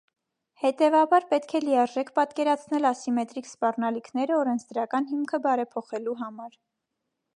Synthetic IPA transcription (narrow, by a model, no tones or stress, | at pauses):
hɛt̪ɛvɑbɑɾpɛt̪kʰɛlijɑɾʒɛkʰpɑt̪kɛɾɑt͡sʰn̪ɛlɑsimɛt̪ɾikspɑrnɑlikʰnɛɾəɔɾɛnt͡sʰd̪əɾɑkɑnɦimkʰəbɑɾɛpʰɔχɛluɦɑmɑɾ